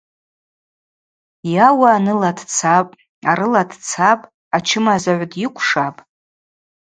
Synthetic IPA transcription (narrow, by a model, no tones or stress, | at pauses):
jawaːnɨladt͡sʰapʼ | aɾɨladt͡sʰapʼ | at͡ʃʰɪmazaʕʷdjikʷʰʂapʼ